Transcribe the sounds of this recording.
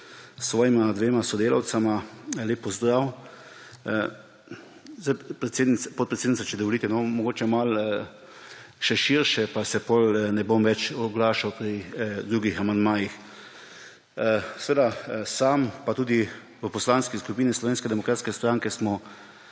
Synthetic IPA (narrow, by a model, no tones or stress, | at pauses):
sːʋɔːjimad̪ʋeːmasɔd̪eːla̰wt̪samaleːpːɔzd̪ɾaw | zajpɾɛseːd̪nipɔt̪̚pɾɛt̪sed̪nitsat͡ʃɛd̪ɔʋɔliːt̪ɛnɔmɔɡoːt͡ʃɛmal | ʃɛʃiɾʃɛpasɛpɔlnɛbomʋɛt͡ʃɔɡlaːʃawpɾid̪ɾuːɡixamand̪maːjix | sʋeːd̪asaːmpat̪uːd̪i | ʋəpɔslanskiskupiːnislɔʋeːnskɛd̪ɛmɔkɾaːt̪skɛst̪ɾaŋkɛsmɔ